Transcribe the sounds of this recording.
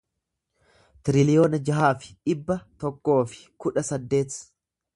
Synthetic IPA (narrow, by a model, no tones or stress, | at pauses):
t̪ɪɾɪlɪjo̞ːnɐd͡ʒɐɦaːfɪ̥ᶑɪbːɐt̪ɔkːo̞ːfɪ̥kʊᶑɐsɐd̪ːe̞ːt̪